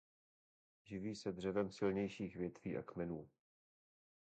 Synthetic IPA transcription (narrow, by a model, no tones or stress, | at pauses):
ʒɪviːsɛd̪r̝ɛvɛmsɪlɲɛjʃiːxvjɛt̪viːʔa̰kmɛnuː